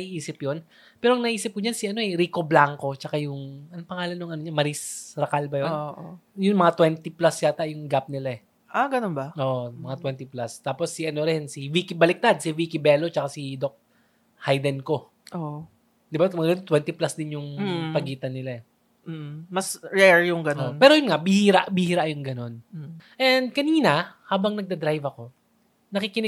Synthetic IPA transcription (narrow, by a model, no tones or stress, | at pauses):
nɐʔiʔiːsɪpjon | pɛːɾoɐŋnɐʔiːsɪp̚kʊɲansɪʔɐno̞ɛɾiko̞blaŋko̞t͡ʃɐkajʊŋɐnopɐŋaːlɐnːʊŋʔɐnoɲamɐɾisɾɐkalbɐjonoʔjʊŋmɐŋat̪wɛnt̪iplasʃat̪aʔjʊŋɡap̚nɪlaɛ | ʔaɡɐnonbɐʔoʔomɐŋat̪wɛnt̪iplast̪aːpo̞sːɪʔɐnoɾɛnsiwikɪbɐlɪk̚t̪ad̪̚sɪwiːkɪbɛːlo̞t͡ʃɐkasid̪ok̚ | hajd̪ɛnko̞ | ʔo | d̪ɪbamɡɐnot̪wɛnt̪ɪplasd̪ɪnjʊŋːpɐɡiːt̪ɐnːɪlaɛ | mɐsɹɛɹjʊŋɡɐnonpɛːɾojʊnŋabɪhiːɾa̰ʔbɪhiːɾaʔjʊŋɡɐno̞nʔɛnd̪̚kɐniːnɐhaːbɐŋnɐɡ̚d̪ɐd̪ɾajvɐko̞ | nɐkikɪn